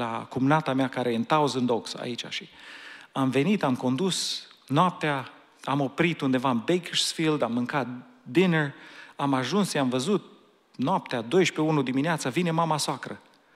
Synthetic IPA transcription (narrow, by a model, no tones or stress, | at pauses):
lakumnat̪amakaɾeent̪awzɨnd̪oksa̰it͡ʃa̰ʃiamve̞nit̪amko̞nd̪usnoap̚t̪eaː | mo̞pɾit̪und̪e̞vaɨmbekiʃsfild̪amːɨŋkat̪̚d̪ineramaʒunsʃiamvəzut̪̚ | noap̚t̪ead̪o̞jʃpe̞unud̪imineat̪səvine̞mamasoakɾə